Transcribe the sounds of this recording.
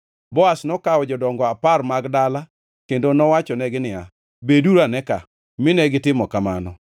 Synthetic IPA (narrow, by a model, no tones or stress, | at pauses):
bɔasnɔkaɔd͡ʒɔdɔŋɡɔaparmaɡdala | kendonɔwat͡ʃɔnɛɡɪnɪa̰ | beduɾanɛka | mɪnɛɡɪtɪmɔkamanɔ